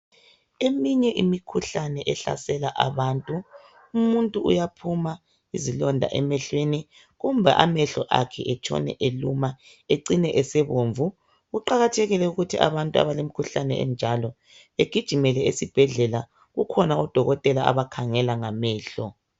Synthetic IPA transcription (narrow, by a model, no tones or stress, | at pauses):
emiɲɛʔimikʰuɬanɛʔɛɬa̰sɛlaʔaβaːntʼu | umuntʼuṵjapʰuma | izilɔndʱa̰ʔɛmɛɬweni | ɣumbʱaʔamɛɬɔʔa̰kʰɛʔɛt͡ʃʼʰɔ̰nɛ̰ʔeluma | eǀinɛʔɛsɛβoːɱvu | ɣuǃaɣatʰɛɣilɛuɣutʰiʔa̰βantʼua̰βalemikʰuɬanɛ̰ɛ̰nd͡ʒʱalɔ | eɡ̥ʱid̥ʒ̥ʱimɛlɛesib̥ʱɛɮɛla | ɣukʰɔnaɔd̥ʱɔɣɔtʼɛlaa̰βakʰaŋɛlaŋamɛːɬɔ̰